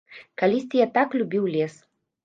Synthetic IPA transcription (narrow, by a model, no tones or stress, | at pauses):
kalʲisʲt͡sʲijat̪aklʲubʲiwlʲes